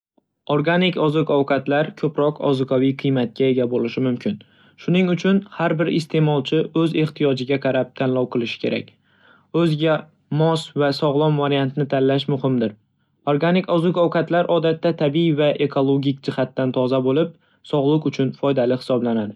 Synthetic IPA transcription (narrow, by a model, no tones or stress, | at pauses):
oɾɡanɪkɒzɨkɒwkʰɑt̪laɾkʰɵpɾɒqʰɒ̰zɨqʰɒvijqʰɨjmat̪̚kʲae̞ɡʲabolɪʃɪmʊmkʲʰɪn | ʃʊnɪŋʊt͡ʃʰʊnhaɾbɪɾɪ̰st̪ʰe̞mɒlˠt͡ʃʰɪɵze̞χt̪ʰijɒd͡ʒɪɡʲaqʰɑɾap̚t̪ʰanlˠɒwqɨlˠɪʃɪ̥kʲʰe̞̰ɾʔa̰kʲ | ɵzɡʲa | mɒsvasɒʁlˠɒmvaɾijant̪ʰɪnɪt̪ʰanlaʃmʊhɪmd̪ɪɾ | oɾɡanɪkɒzʊkɒwqat̪laɾʔɒd̪at̪ːat̪ʰabijvaʔe̞kʰolˠoɡʲɪk̚ʲd͡ʒɪhat̪ːant̪ʰɒzabolɪp̚ | sɒʁlˠɨqʊt͡ʃʰʊnfɒjd̪alɪhɪ̥sɒblanad̪ɪ